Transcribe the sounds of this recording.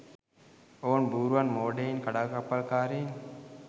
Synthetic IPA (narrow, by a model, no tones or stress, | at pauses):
oːnbuːɾuʋɐnmoːɖeinkaɽaːkapːɐlkaːɾeːn